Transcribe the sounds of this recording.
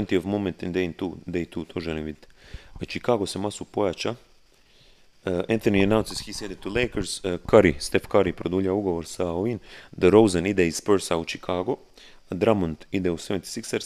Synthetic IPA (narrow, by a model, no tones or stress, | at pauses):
nt̪ioʋmomẽnt̪ind̪ent̪uːd̪ejt̪ʰuːt̪ʰoːʒɛlimbid̪t̪t͡ʃikaːɡosemasupojat͡ʃa | ʔɛ̃nt̪onianawnsishisjed̪et̪ːuleːkəɾz̥kaɾist̪efkaɾipɾod̪uːʎauɡo̞ʋoɾsaoʋind̪əɾowzanid̪eiz̥pəɾsaut͡ʃikʰaːɡo | d̪ɾamont̪id̪euseʋent̪i̥siksaɾs